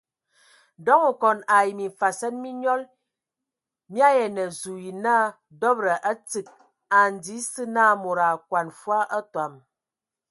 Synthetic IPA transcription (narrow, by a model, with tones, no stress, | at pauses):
dɔ˦ŋə˨kɔ˨na˨i˨mi˨fa˨sɛ˦nmi˦ɲɔ˦l | mi˦a˦jɛ˨nə˨zu˨ji˨na˦˨ | dɔ˦bɾə˨ʔa˦t͡si˨k̚ | a˨n̩˨di˨˦sɨ˦na˦˨mo˨ɾa˨kwa˨nfwa˦ʔə˦twa˨m